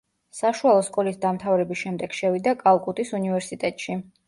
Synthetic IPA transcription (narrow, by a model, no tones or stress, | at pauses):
saʃualˠɔskʼɔlisd̪amt̪ʰavɾɛbiʃɛmd̪ɛɡ̥ʃɛvid̪akʼalˠkʼut̪ʼisunivɛɾsit̪ʼɛt̪ʼʃi